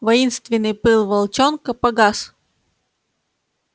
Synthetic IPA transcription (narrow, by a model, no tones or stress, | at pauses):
vɐinst̪vʲɪnːɨjpɨlˠvɐlˠt͡ɕonkəpɐɡas